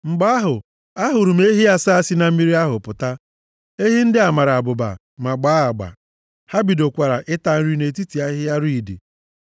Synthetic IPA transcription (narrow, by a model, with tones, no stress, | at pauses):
ŋ͡m̩˨ɡ͡ba˦a˦ɦʊ˨ | a˦ɦʊ˨ɾu˨m˦e˦ɦi˦a˦sa˦a˦si˦na˨m̩˦mi˦ɾi˦a˦ɦʊ˨pʊ˨ta˦ | e˦ɦi˦n̩˦dɪ˦a˨ma˨ɾa˨bʊ˨ba̰˨ | ma˨ɡ͡baː˨˦a˨ɡ͡ba̰˨ | ha˦bi˨do˨kʷa˨ɾa˨ʔɪ˦ta˨n̩˦ɾi˦ne˨ti˦ti˨a˦ɦɪ˦ja˦ɾi˦˨dḭ˨